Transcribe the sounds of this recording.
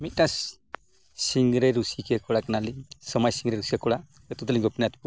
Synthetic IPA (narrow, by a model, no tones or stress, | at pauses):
mit̪̚ˀnas | siŋɡɾɛɾusikɛkɔɽakanalisəmajsiŋɡɾɛɾusikɛkɔɽa | ət̪ut̪əliɡɔpʰnjat̪pu